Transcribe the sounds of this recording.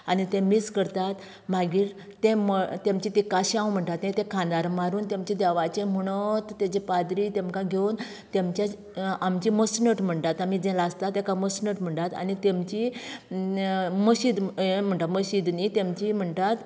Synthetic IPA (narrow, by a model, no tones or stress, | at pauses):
anit̪ẽmiskəɾt̪at̪ | m̤aɡiːɾː | ẽmət̪emt͡ɕit̪ikaɕãwm̤əɳʈ̪at̪net̪ẽkʰãnd̪aɾmaɾuːnt̪emt͡ɕed̪ɛʋat͡ɕẽməɽ̃ət̪ːet͡ɕepad̪ɾit̪ẽmkãɡʱen | t̪ẽmt͡ɕja | amt͡ɕiməsnəʈm̤əɳʈ̪at̪amid͡zɛ̃laəst̪at̪ːekaməsnəʈm̤əɳʈ̪at̪a̰nit̪emt͡ɕi | məɕid̪m̤əɳʈ̪aməɕid̪nit̪emt͡ɕim̤əɳʈ̪at̪